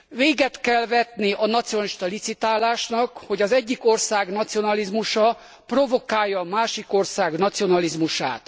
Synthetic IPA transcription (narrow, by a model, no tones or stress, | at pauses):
veːɡɛt̪kɛlvɛt̪niʔɒnɒt̪sionɒliʃt̪ɒlit̪sit̪aːlaːʃnɒkho̞ɟɒzɛɟːiko̞rsaːɡnɒt̪sio̞nɒlizmuʃɒ | pro̞vo̞kaːjːɒmaːʃiko̞rsaːɡnɒt̪sio̞nɒlizmuʃa̰ːt̪